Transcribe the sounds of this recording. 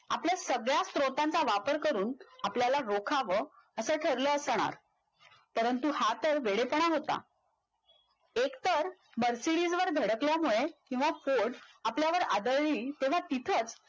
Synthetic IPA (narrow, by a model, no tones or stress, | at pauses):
a̰pljasəɡɭjast̪ɾot̪ant͡saʋapəɾkəɾuːnapljalaɾokʰaʋə | əsəʈʰəɾləːsɽ̃a̰ɾ | pəɾənt̪uhat̪əɾʋeɽepəɳ̃aɦot̪a̰ | ekt̪əɾ | məɾsiɽid͡zʋəɾɡ̪ʱəɽəkljamuɭekĩw̃ʋafoɾɖapljaʋəɾad̪əɭɭiːt̪ẽʋ̤at̪it̪ʰət͡s